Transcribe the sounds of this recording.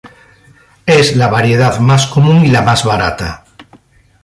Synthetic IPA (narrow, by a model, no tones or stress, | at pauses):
ezlaβ̞aɾjeð̞aðmaskomũŋilamazβaɾat̪a